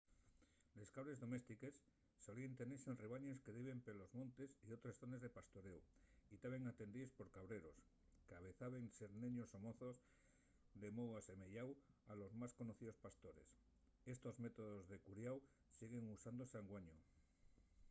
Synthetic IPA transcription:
le̞skaβɾe̞zðo̞me̞st̪ike̞sː | o̞lient̪e̞neɾsenreβ̞aɲe̞ske̞ðiβe̞mpelo̞zmõnt̪e̞sio̞t̪ɾesθo̞ne̞zðe̞past̪o̞ɾe̞wit̪aβeŋat̪e̞nd̪iespo̞ɾkaβɾe̞ɾo̞s | kaβe̞θaβe̞nseɾneɲosomo̞θo̞z | d̪e̞moðwase̞meʎawalo̞zmasko̞noθiðo̞spast̪o̞ɾe̞̰s | e̞st̪o̞zme̞t̪o̞ðozðe̞kuɾjaw | siɣe̞ŋusand̪osaŋɡwaɲo

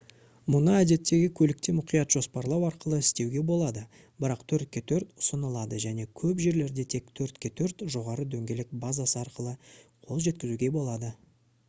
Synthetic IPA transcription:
mʊnəæd̪e̞t̪ːe̞ɡʲɪkʲʰɵlɪk̚t̪e̞mʊqijɑt̪ʒ̥o̞spɑɾlˠɑwɑɾqəlˠəɪst̪e̞wɡʲe̞bo̞lˠɑd̪ə | bəɾɑqt̪ʰɵɾt̪̚kʲe̞t̪ʰɵɾt̪ʊ̥sənəlˠɑd̪əʒæne̞kʲʰɵpʒe̞ɾle̞ɾd̪e̞t̪ʰe̞kt̪ʰɵɾt̪kʲe̞t̪ʰɵɾt̪ʒo̞ʁɑɾəd̪ɵŋɡʲe̞lɪk̚bazasəɑɾqəlˠəqʰo̞lˠʒe̞t̪kʲɪzuɡʲe̞bo̞lˠɑd̪ə

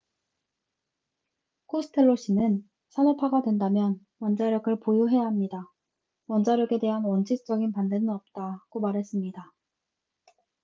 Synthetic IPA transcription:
kʰosʰɯ̥tʰe̞ɭːoɕ͈ʰinɯn | sʰanopʰaɡadwe̞ndamjʌn | wʌnd͡ʑaɾjʌɡɯɭpojoɦe̞jaɦamɲida | wʌnd͡ʑaɾjʌɡe̞de̞ɦanwʌnt͡ɕʰist͡ɕ͈ʌɡinpandenɯnʌp̚t͈aɡomaɾɦe̞s͈ɯmɲida

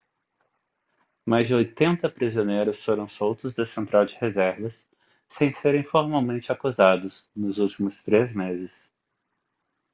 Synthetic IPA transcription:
majzd͡ʒɪojt̪ẽnt̪ɐpɾizionejɾʊsfoɾɐ̃w̃sowt̪ʊzd̪ɐsẽnt̪ɾawd͡ʒɪhezɛɾvɐsː | ẽj̃seɾẽj̃foɾmawmẽnt͡ʃɪakuzad̪ʊsnʊzuwt͡ʃimʊst̪ɾezmezɪs

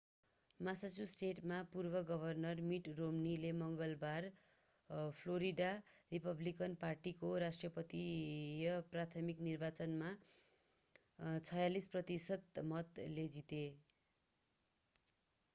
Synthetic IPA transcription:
masat͡susʈeʈmapurbʌɡʌbʱʌrnʌrmiʈromnilemʌŋɡʌlbar | pʰloɾiɖaripʌblikʌnparʈikoɾasʈrʌpʌt̪ijʌprat̪ʰʌmiknirbat͡sʌnma | t͡sʰʌjalisprʌt̪isʌd̪mʌt̪led͡zit̪e

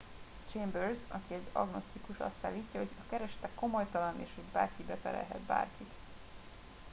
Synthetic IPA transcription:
t͡ʃeːmbørzɒ̰kiɛzɒ̰ɡno̞st̪ikuʃɒ̰st̪aːlːiːcːɒɦo̞ɟɒkɛɾɛʃɛ̥t̪ɛkːo̞mo̞jt̪ɒlɒnḛːʃhoɟbaːrkibɛfɛlɛ̰lɦɛ̰t̪ba̰ːrkit̪

